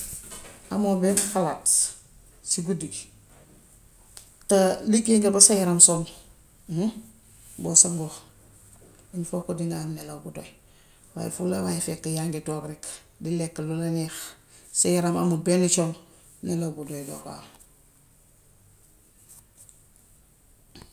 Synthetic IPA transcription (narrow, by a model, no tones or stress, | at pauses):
amobenxalaːt | siɡudi | talikːiŋɡabasajiɾamsoŋ | bosaɡo | iɲfokːodiŋɡamnelaɡudoj | wa̰j̰fulawajfekːajaŋɡetokɾik | dilekːlulanix | sejɾama̰mubenut͡ʃoŋ | nelawɡudojdo̰ka̰ː